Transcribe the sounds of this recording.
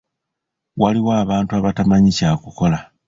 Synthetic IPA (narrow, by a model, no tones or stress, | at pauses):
waliwaːβaːntuaβatamaɲicaːkuko̞la